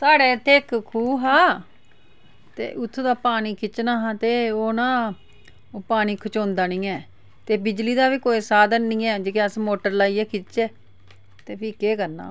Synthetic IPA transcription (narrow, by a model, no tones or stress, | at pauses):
saːɽɛːt̪ʰeːkkʰuːɦaː | t̪ḛːʔʊt̪ʰːd̪aːpaːniːkɪt͡ʃnaːɦãːt̪eːoːnãː | oːpaːniːkʰət͡ʃõːnd̪aːnĩːɛː | t̪eːbɪd͡ʒliːd̪aːbiːkoːiːsaːd̪ənːĩːɛːd͡ʒeːkeəsmoːʈəɾlaːiːɛːkʰɪt͡ʃeː | t̪eːpiːkeːkəɾna̰ː